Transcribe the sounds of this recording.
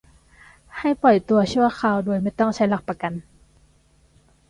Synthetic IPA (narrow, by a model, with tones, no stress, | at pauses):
ha˥˩jpɔ˨˩jt̪u˧ɐt͡ɕʰu˥˩ɐxʰaː˧˩wdoː˧jma˥˩jt̪ɔ˥˩ŋt͡ɕʰa˧˦˥jla˧˩k̚pa˧ka˧˨n